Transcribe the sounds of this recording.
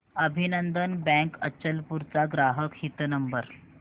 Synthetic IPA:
əbʱinənd̪ənbɛ̃kət͡ɕːəlpuɾt͡saɡɾaɦəkhit̪nəmbəɾ

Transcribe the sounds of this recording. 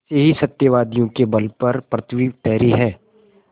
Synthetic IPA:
seɦisɐt̪jəʋaːd̪ijõkebɐlpɐɾpɾət̪ʰwiːʋt̪ɛːɾiɦɛ̃ː

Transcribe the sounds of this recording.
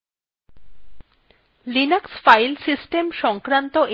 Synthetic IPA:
linaksfajlsisʈemʃɔŋkɾant̪oʔe

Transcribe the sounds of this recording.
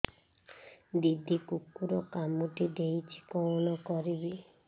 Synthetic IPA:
did̪ikukːuɾɔkamudideit͡ʃi̥kɔnɔkɔɾibi

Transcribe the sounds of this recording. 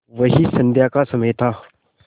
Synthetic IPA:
vɐɦisɐnd̪jakasɐmet̪ʰa

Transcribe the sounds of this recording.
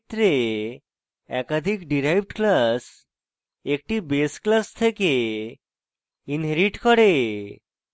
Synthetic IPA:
t̪ɾe | ɛkad̪ʱikɖiɾajbɖklas | ek̚ʈibesklast̪ʰeke | inɦeɾiʈkɔɾe

